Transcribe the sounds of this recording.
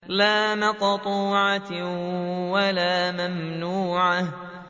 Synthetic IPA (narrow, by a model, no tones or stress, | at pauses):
laːmɑqt̪ˤuːʕa | walaːmamnuːʕa